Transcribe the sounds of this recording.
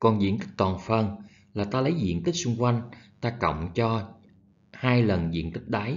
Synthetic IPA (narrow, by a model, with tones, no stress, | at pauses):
kɔ˨˩nzḭ˧˨ənt̪i˦˥k̚t̪wɔː˨˩nfə˧˩n | laː˨˩t̪aː˧lə˨˦jzḭ˧˨ənt̪ï˦˥k̚su˧ŋ͡mkwa˧jŋ̟t̪aː˧kə̰˧˨wŋ͡mt͡ɕɔ˧ | haː˧jlə˨˩nzḭ˧˨ənt̪ï˦˥k̟̚ɗaː˨˦j